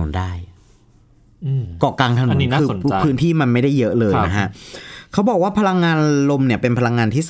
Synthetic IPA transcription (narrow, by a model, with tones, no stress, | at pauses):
ṵ˩˦ndaː˥˩j | kɔː˨˩kaː˧ŋt̪ʰa˧nu˨˧˩aː˥˩˧n˧pʰɯː˦˥nt̪ʰiː˥˩ma˧nma˥˩jda˥˩jːɤ˦˥ʔlɤː˧jna˦˥kʰa˦˥ʔkʰa˦˥wbɔː˨˩k̚waː˥˩pʰa˧la˧ŋːaː˧nlo˧mni˥˩ɐpe˧npʰa˧la˧ŋːaː˧nt̪ʰiː˥˩